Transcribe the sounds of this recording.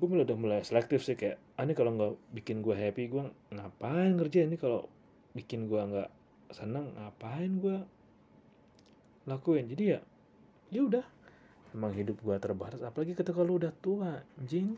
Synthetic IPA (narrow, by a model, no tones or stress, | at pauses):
ɡuamulaudahmulajasəlɛk̚t̪ɪfsɪhkaja | anikaloŋɡabikɪnɡuaɦɛpiɡuaŋapaɪnkərd͡ʒainikalo̰ | bikɪnɡuaŋɡa̰ʔ | sənaŋːapaɪnɡua | lakuɪnd͡ʒadija | jaudah | memaŋɦidʊp̚ɡuat̪ərbaɦaɾasapalaɡikət̪akaloudaht̪uaɲd͡ʒɪŋ